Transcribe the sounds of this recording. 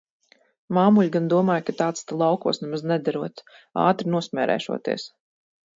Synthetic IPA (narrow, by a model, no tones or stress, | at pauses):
maːmuʎʲɡand̪uɔmaːjkat̪aːt̪st̪alˠawkuɔsnɛmaznɛd̪aɾuɔt̪ | a̰ːt̪ɾinuɔsmʲɛːɾɛ̰ːʃṵɔt̪ḭɛs